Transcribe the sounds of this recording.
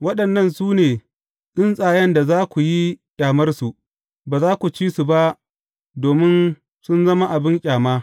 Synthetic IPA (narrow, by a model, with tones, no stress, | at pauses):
wɐ˦ɗɐ˨nːɐ˦˨nsuː˦neː˨ | ɗɪ˦nsʼaː˨jɐ˦nda˨zaː˦kʷu˨ji˦d̥aː˨mɐ˦rsu˨ʔ | baː˨zaː˦kʷu˨t͡ʃiː˦su˨ba˦ʔ | doː˨mɪ˦n | sʊ˦nzɐ˦ma˦ʔa˨bɪ˦ŋkʲʼaː˨maː˦